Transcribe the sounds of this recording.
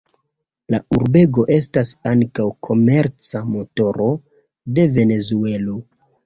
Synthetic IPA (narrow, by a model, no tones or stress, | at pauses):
lauɾbe̞ɡo̞ʔe̞s̬tasaŋkawkʰo̞me̞ɾt͡samo̞to̞ɾo̞ | de̞ve̞ne̞zue̞lo